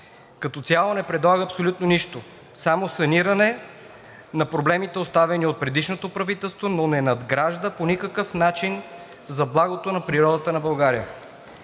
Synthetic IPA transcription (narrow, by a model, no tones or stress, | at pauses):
kɐt̪ɔt̪sʲjalˠonɛpɾɛd̪lˠaɡəɐpsolʲut̪noniʃt̪o | samosɐniɾɐnɛ | nɐpɾoblɛmit̪ɛost̪avɛniot̪̚pɾɛd̪iʃnot̪opɾɐvit̪ɛlˠst̪vononɛnɐd̪ɡɾaʒd̪əponʲikəkəfnat͡ʃin | zɐblˠaɡot̪onɐpɾiɾɔd̪ət̪ənɐbɐlˠɡaɾijə̰